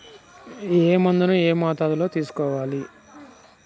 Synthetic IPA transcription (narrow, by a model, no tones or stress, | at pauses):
eːmɐnd̪unueːmaːt̪aːd̪ulo̞ːt̪iːsu̥kɔːʋaːli